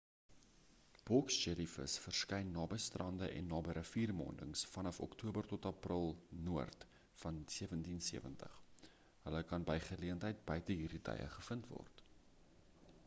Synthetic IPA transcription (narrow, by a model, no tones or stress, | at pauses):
b̥ɔksd͡ʒɛlifə̰sfərskɛjnːɑːbəjstrɐndəʔɛ̰nːɑːbəɾəfiːrmɑ̰ːndəŋsfɐnɐfɔ̰ktuəbərtɔtɐprəlˠnuərt | fɐnsiəvəntinsiəvəntə̰χ | ɦələkɐnbəjχəliəntɦəjt̚bœɥtəɦiːritɐ̰jə̰χəfəntvɔ̰rt